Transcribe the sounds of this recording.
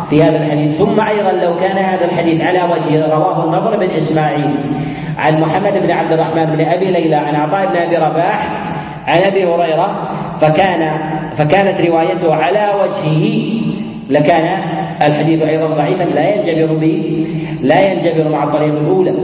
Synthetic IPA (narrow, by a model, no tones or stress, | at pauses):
fihaːðalħad̪iːθθʊmːaʔɑjðˤɑnlawkaːnahaːðalħad̪iːθʕalawad͡ʒhɪɾˤɑwaːɦʊnːɑðˤɾˤbɪnʔɪsmaːʕiːl | ʕa̰nmʊħamːad̪ɪbnʕab̚d̪ɪrˤːɑħmaːnɪbɪnʔabiːlajlaʕanʔɑt̪ˤɑːʔɪbnʔabiːɾˤɑbaːħ | ʕanʔabiːhʊɾɑjɾˤɑ | fakaːnafakaːnat̪ɾɪwaːjat̪ʊhʕalawad͡ʒhɪhɪ | lakaːnaʔːlħad̪iːθʔɑjðˤɑnðˤɑʕiːfanlajant̪abɪɾbɪ | lajant̪abɪɾmaʕɑt̪ˤːɑɾiːqɪlʔuːla